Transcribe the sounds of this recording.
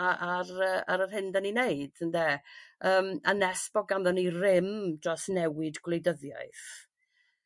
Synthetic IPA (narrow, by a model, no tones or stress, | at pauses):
aaɾəːa̰ɾər̥hɪndanineɨd̥əndɛːəːmanɛsb̥ɔɡanðɔnirɪmdrɔsnɛwɪdɡlejdəðja̰jθ